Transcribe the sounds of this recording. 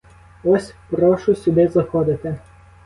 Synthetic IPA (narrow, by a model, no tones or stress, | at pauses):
ɔsʲpɾɔʃʊsʲʊb̪ʲezɐxɔd̪ʲɪt̪ʲɪ